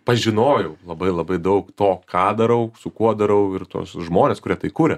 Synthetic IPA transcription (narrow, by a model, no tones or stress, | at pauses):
pɐʒʲɪnoːjɛʊlˠɐbɐɪlˠɐbɐɪd̪ɐʊkt̪oːkʰɑːd̪ɐɾɐʊsʊkuɔd̪ɐɾɐʊɪrt̪o̰ɔsʒmoːnʲeːskʊɾʲiɛt̪ɐɪkuːɾʲɛ